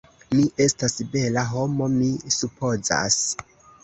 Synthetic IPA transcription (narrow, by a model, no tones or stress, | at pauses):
miʔe̞stasbe̞laɦo̞mo̞misupo̞za̰s